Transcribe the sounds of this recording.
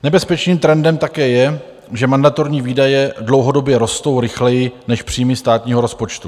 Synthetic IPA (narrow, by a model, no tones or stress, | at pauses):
nɛbɛspɛt͡ʃniːmt̪ɾɛndɛmt̪akɛːjɛ | ʒɛmandat̪o̞ɾɲiːviːdajɛdlo̞wɦo̞do̞bjɛɾo̞st̪o̞wɾɪxlɛjɪnɛʃpr̥iːmɪst̪aːt̪ɲiːɦo̞ɾo̞spo̞t͡ʃt̪u